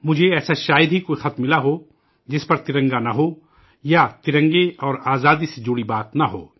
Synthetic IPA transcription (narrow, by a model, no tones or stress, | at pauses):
mʊd͡ʒʱeɛːsaʃaːjɪd̪ɦikoːixɐt̪mɪlaɦo | d͡ʒɪspɐɾt̪ɪɾə̃ŋɡanaɦoː | jat̪ɪɾə̃ŋɡeɔːɾaːzaːd̪ised͡ʒʊɽibaːt̪naɦo̰ː